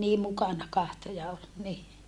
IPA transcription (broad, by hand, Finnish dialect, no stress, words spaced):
niː mukɑnɑ kɑhto jɑ ol ni